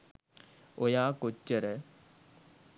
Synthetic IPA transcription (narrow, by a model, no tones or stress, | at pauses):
ojaːkot͡ɕːɐɾe